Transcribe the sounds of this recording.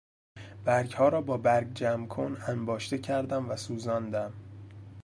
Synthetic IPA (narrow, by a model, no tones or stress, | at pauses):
b̥æɾɡhɒːɾɒːbɒːbæɾɡd͡ʒæmkʰonæmbɒːʃt̪e̞cʰæɾd̪æmvæsuːzɒːnd̪æm